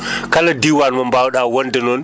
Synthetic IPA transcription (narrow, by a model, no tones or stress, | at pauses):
kɐladiwanmɐmbawɗawɐndenon